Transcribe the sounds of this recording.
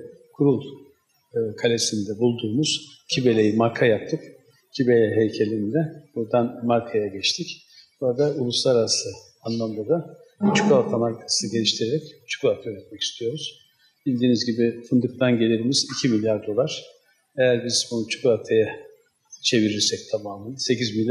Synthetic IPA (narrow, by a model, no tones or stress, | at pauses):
kʰuɾulˠ | kʰalʲesind̪ɛbulˠd̪uːmuz̥cʰibe̞lʲe̞jimaɾkʰajap̚t̪ʰːɯk | cʰibe̞lʲɛɦejcʰelʲind̪ɛbuɾd̪anmaɾkʰajaɟɛt͡ʃt̪ʰic | b̥uɾad̪aulˠuslˠaɾaɾasɯ | anlˠamd̪ad̪at͡ʃʰɯ̥kʰalt̪ʰamaɾkʰḁsɯɟe̞lʲiʃt̪ʰiɾeɾɛct͡ʃʰɯ̥kuat̪ʰayɾɛt̪̚mɛci̥st̪ʰijo̞ɾuz̥ | b̥ilʲd̪iːnizɟibifɯnd̪ɯk̚t̪ʰanɟe̞lʲeɾimizicʰimilʲjaɾd̪o̞lˠaɾ̥ | e̞jæɾbiz̥bunut͡ʃʰɯ̥kuat̪ʰaja | t͡ʃʰe̞viɾiɾsɛc̚t̪ʰamaːmɯnɯse̞cizmilʲ